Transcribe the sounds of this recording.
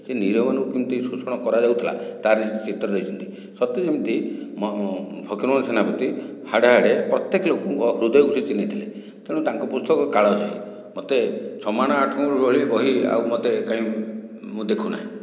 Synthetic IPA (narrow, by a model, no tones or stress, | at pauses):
seniɾɔmanɔkukimt̪isusɔɽ̃ɔkɔɾad͡ʒawt̪ʰila̰t̪aɾisit̪it͡ʃit̪ɾɔɾɔɦit͡ʃʰɔnt̪i | sɔt̪ed͡ʒimt̪imɔpʰɔkiɾmɔnɔsenapɔt̪ihaɽaɦaɽepɾɔt̪jekɔlokɔŋkɔɦɾud̪ʱjkusʰit͡ʃinit̪ʰile | k̪eɽ̃ut̪aŋkɔpust̪ʰɔkɔkaɭɔd͡ʒaḭ | mot̪et͡ʃʰɔmaɽ̃aaʈʰɔŋkɔɾubɔɭibɔɦia̰wmot̪ekaɦĩmũd̪ekʰuna̰ɦẽ